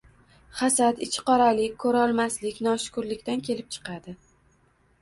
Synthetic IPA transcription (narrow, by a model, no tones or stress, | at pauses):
χasad̪ɪt͡ʃʰɪ̥qɒɾalɪkʲkʰːɵɾaɒlˠmaslɪkʲnɒʃʊ̥kʊɾlɪkʲt̪ankʲʰe̞lɪp̚t͡ʃʰɨ̥qɑd̪ɪ